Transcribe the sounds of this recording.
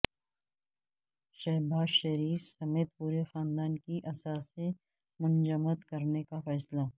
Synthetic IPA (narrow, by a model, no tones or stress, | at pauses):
ʃɛːbaːzʃɐɾiːfsɐmeːt̪̚puːɾexaːnd̪aːnkiʔɐsaːsẽ | mʊnd͡ʒəməd̪kɐɾnekafɛːsla